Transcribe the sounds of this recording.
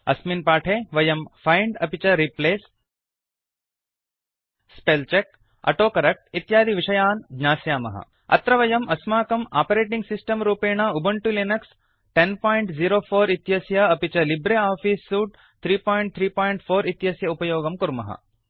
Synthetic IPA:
ɐ̰sminpaːʈʰeːʋɐjɐmfʰajɳɖɐpit͡ʃɐɾipleːs | pelt͡ʃek̚ | ɐ̰ʈoːkɐɾɐk̚ʈ̚it̪jaːd̪ʱiʋiʂɐjaːnɡɲaːsjaːmɐ̰ɦɐ̰ | ɐ̰t̪ɾɐʋɐjɐmʔɐsmaːkɐma̰ːpɐɾeːʈiŋɡsisʈɐmɾuːpeːɳ̃aːubʱɐɳʈulinɐks | ʈenpoːjɳʈziːɾoːfʰoːɾit̪jɐsjɐɐpit͡ʃɐlibɾeaːfiːsːuːʈ̚ | t̪ʰɾiːpoːjɳʈ̚t̪ʰɾiːpoːjɳʈfʰoːɾit̪jɐsjɐupɐjoːɡɐmkuɾmɐ̰ɦɐ̰

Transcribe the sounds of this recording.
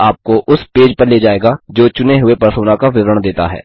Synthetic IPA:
aːp̚koʔʊspeːd͡ʒpɐɾleːd͡ʒaːeːɡad͡ʒoːt͡ʃʊneɦʊepɐɾsuːnakaʋɪʋɾəɽ̃d̪eːt̪a̰ɦɛ̰ː

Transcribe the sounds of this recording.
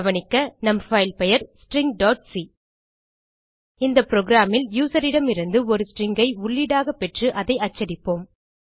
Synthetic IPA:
ʋɐnɪkːɐnɐmfɐɪlpɛjɐɾsʈɾɪŋɡ̚ɖoːʈsi | ɪnd̪ɐpɪɾoːɣɪɾaːmɪljuːsɐɾɪɽɐmɪɾɯnd̪ɯɔɾɯsʈrɪŋɡɐɪʊɭːiɽaːɣɐpːɛʈrɯʔɐðɐɪɐt͡ʃːɐɾɪpːoːm

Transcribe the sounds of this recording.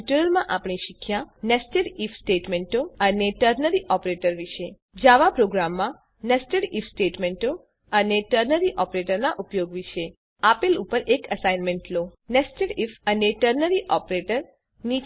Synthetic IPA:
ʈuɾəlmãʔapɳ̃iʃikʰjãnɛsʈəɽifʰsʈeʈmeɳʈoəneʈəɾnəɾiʔɔpɾeʈəɾʋiʃe | d͡ʒaʋapɾoɡɾamːã | nɛsʈəɽifsʈeʈmeɳʈo | əneʈəɾnəɾiʔɔpɾeʈəɾnaʔupjoɡʋiʃe | apelupəɾʔekəsajnmẽɳʈlonɛsʈəɽifəneʈəɾnəɾiʔɔpɾeʈəɾ | ni

